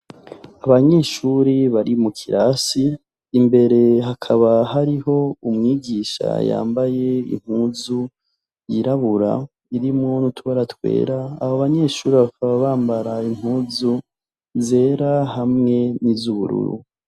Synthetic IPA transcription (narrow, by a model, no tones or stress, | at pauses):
aβaɲe̞ːʃuːɾiβaɾimukʰiɾʔasiː | mbe̞ɾe̞ɦakʰaβaɦaɾiɦo̞umŋiːɡiːʃa̰ja̰ːmbaje̞ḭm̥huːzu | jiɾaβuɾa̰ | iɾimŋonutʰuβaɾatwe̞̰ːɾaːhoβaɲe̞ːʃuːɾiβakʰaβaβaːmbaɾaim̥uːzu | ze̞ːɾahamŋe̞nizuβṵɾṵɾṵ